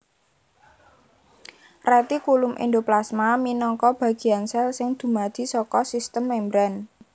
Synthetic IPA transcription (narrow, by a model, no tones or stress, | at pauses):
rɛt̪ikulʊmʔḭnd̪oplasmaminɔŋkɔb̥a̤ɡ̥i̤ansɛlsɪŋd̪̥ṳmad̪̥i̤sɔkɔsist̪əmːɛmbɾan